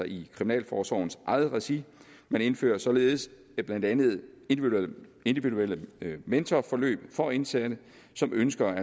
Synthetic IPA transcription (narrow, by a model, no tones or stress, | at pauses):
ɑ̈ʔikʰʁiminɛ̰ːlfɒːsɒʊn̩sʔɑ̈ɪð̩ˠʁɛsi | mæne̝nfø̰ːɐsɒ̽le̝ːð̞̩ˠs | b̥lænd̥ænð̞̩ˠend̥e̝nd̥iʋiduel̰əment͡sʰɒfɒ̽lø̰ːb̥fɒ̽e̝nsæd̥ə | sɒ̽mʔønsɡ̥ɐæ